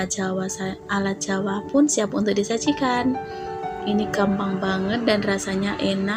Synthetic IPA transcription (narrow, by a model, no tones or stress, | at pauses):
d͡ʒawasaʔalat̪̚d͡ʒawapʊnsiapaṵnt̪ʊk̚disat͡ʃikan | inikambaŋbaŋət̪̚danrasaɲaʔɛna